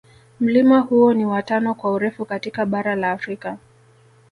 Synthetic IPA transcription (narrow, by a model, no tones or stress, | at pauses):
m̩limahuɔniwatanɔkwauɾɛfukatikaɓaɾalaːfɾika